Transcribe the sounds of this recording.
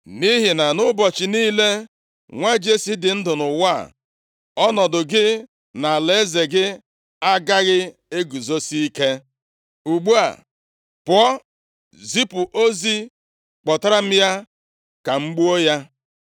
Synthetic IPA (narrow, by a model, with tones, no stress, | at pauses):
ni˦ɦɪ˨na˨nʊ˦bɔ˨t͡ʃɪ˨niː˦le˦ | ŋʷa˦d͡ʒe˦si˦dɪ˨n̩˦dʊ˨nʊ˨wa˦˨ | ɔ˦nɔ˨dʊ˨ɡɪ˦ | na˨le˦ze˨ɡɪ˦ | a˦ɡa˦ɣɪ˦e˦ɡu˨zo˦si˦i˦ke˦ | u˨ɡ͡bu˦a̰˨ | pʊ˨ɔ˦ | zi˦pʊ˨ʔo˦zi˦ | k͡pɔ˨ta˦ɾa˦m̩˦ja˦ | ka˨ŋ͡m̩˦ɡ͡bu˦o˦ja˦